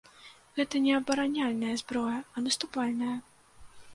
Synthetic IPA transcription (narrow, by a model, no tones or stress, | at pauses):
ɣɛt̪ɐnʲɛɐbɐɾanʲalʲnɐjɐzbɾɔjɐɐnɐst̪upalʲnɐjɐ